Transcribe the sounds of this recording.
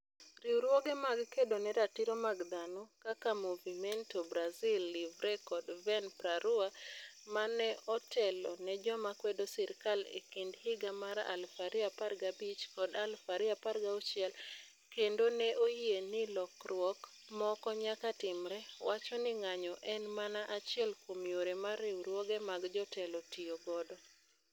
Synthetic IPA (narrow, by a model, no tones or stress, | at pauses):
riuɾwɔɡɛmaɡkedonɛɾatiɾomaɡd̪anɔkakamuvimɛntobɾazilːivɾɛkɔdvɛnpɾaɾuamanɛɔtʰɛlɔ̰nɛd͡ʒɔmakwɛdosɛɾkalḛkindhɪɡamaɾa̰lfaɾɪaparɡabit͡ʃkɔdalfaɾiaparɡaut͡ʃɪɛl | kendonɛʔoenɪlɔkrwɔk | mɔkɔɲakatɪmɾɛwat͡ʃɔnɪŋaɲɔʔɛnmanaʔat͡ʃɪɛlkomijoɾemaɾɛwɾwɔɡɛmaɡd͡ʒɔtɛlɔtioɡɔdɔ